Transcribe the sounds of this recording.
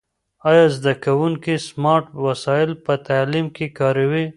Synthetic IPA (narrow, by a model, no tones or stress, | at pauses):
ɑjɑzd̪akawuŋkismɑɾʈwasɑɪlpət̪alimkekɑɾawi